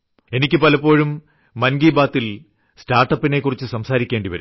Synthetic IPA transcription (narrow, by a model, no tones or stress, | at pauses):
e̞nikʲːɨpɐlɐpːo̞ːɻumː | ɐnɡiːbaːt̪ːil | staːrʈːɐpːine̞kːurit͡ɕːɨsɐmsaːɾikʲːeːɳɖiʋɐ̰ɾ